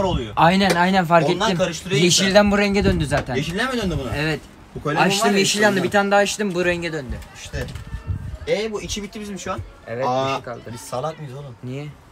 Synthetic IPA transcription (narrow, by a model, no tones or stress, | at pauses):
ɾolˠujoajnænajnænfaɾket̪aːimkʰaɾɯʃt̪ɯɾɯjeʃilʲd̪ænbuɾɛɲɟɛd̪ønd̪yzaːt̪ʰæneʃilʲd̪ʲɛmɛd̪ønd̪imbunaevɛt̪ | bukʰolʲaʃt̪ɯmjeʃilʲjand̪ɯbit̪ʰand̪aːʃt̪ɯmbuɾɛɲɟɛd̪ønd̪yʃt̪ɛ | ebuit͡ʃʰibit̪ːibizmiʃuan | evɛt̪kʰa̰lˠd̪ɯsalˠak̪̚mɯizolumnijɛ